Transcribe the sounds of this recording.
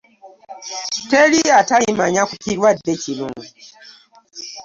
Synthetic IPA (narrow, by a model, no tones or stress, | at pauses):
teɾiataimaɲakukiɾwadet͡ʃiluŋu